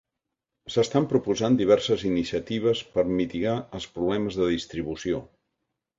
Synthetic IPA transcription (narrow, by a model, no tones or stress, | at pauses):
səst̪ampɾupuzand̪iβ̞ɛɾsəzinisiət̪iβ̞əspəɾmit̪iɣaəlˠspɾuβlɛməzðəðist̪ɾiβ̞usio